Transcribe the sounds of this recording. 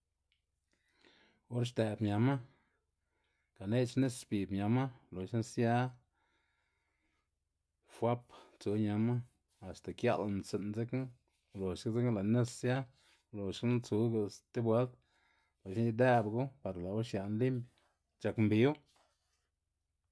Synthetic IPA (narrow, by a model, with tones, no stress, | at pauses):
o˦ɾʃt̪e˨bmja˨ma˦ | ka˨ne˦t͡ʃne˦sspi˨bmja˧ma˦lo˨ʃa˦nsja˦ | fwa˦pt͡su˨˦ɲa˧ma˦ | a˨st̪a˨kja̰˦la˧˨n˧se˧˨nze˦k | lo˨ʃka˦ze˦kla˨ne˦ssja˦ | lo˨ʃkna˦t͡su˦ɡa˧st̪e˦bwe˨˦lt̪̚ | la˨ʃi˦ni˧d̪e˦bɡu˦pa˨ɾla˨u˦ʃja˨nli˦mb | t͡ʃa˨kmbi˧˦w